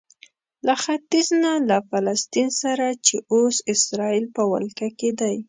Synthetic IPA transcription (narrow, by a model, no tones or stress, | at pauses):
laxat̪iznalafalast̪insaɾat͡ʃeʔosɪsɾɑilpəwa̰lkaked̪aj